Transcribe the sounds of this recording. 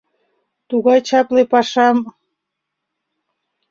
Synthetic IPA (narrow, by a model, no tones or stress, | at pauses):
t̪uɣɑjt͡ɕɑplepɑʃɑm